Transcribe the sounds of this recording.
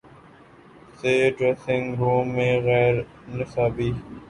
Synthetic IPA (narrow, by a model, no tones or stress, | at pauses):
seːɖɾesɪ̃ŋɡɾũːmːẽːɣɛːɾ | nɪsaːbiː